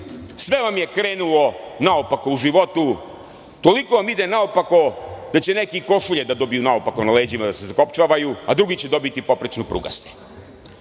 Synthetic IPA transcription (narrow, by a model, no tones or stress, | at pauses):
sʋe̞ʋamje̞kɾe̞ːnulo̞naopako̞uʒiʋo̞t̪u | t̪o̞liko̞ʋamid̪enaopako̞d̪̥at͡ɕe̞ne̞kikoʃuʎed̪ad̪o̞bijunaopako̞nale̞d͡ʑimad̪ase̞zako̞pt͡ʃaʋajuad̪ɾuɡit͡ɕe̞d̪o̞bit̪ipo̞pɾet͡ʃnupɾṵɡa̰st̪e